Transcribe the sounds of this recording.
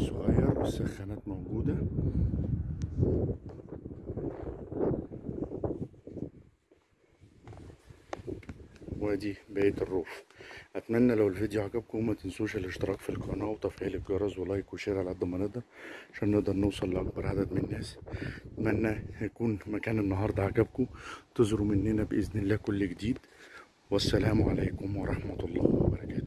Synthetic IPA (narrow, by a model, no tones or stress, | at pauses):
sˤːoɣæjːɑɾˤwesːæxːænæːt̪mowɡuːd̪æ | wæːd̪ibæːt̪erˤːuːfʔæt̪mænːælæwelfed̪juʕakæb̚kʊmæt̪ensuːʃælʔeʃt̪eɾɑːkfilkɑɑnɑːwt̪ˤɑfʕiːlɪkɡɑɾˤɑzwelɑːjkwʃeːɾælʕæd̪ˤːɑmæneʔd̪ɑɾˤʕʕaaʃæːnːeʔd̪ɑɾˤnewsˤɑlːʔɑk̚bɑɾˤʕad̪æd̪mɪnænːæːsʔæt̪mænːæjækuːnmækæːnenːɑɦɑːɾˤd̪ˤɑʕakæb̚kut̪ezɾumɪnːenæbʔeznɪlːæːkʊlːɡed̪iːd̪ | wæsːælæːmʕa̰læːkʊmwɑɾˤɑħmæt̪lˤːɑ̰ːhwwæ̰bɑɾˤɑkæːt̪